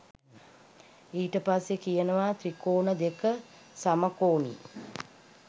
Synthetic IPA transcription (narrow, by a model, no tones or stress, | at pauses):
iːʈəpasjekijənəʋat̪ɾikoːnəd̪ekə | saməkoːnḭː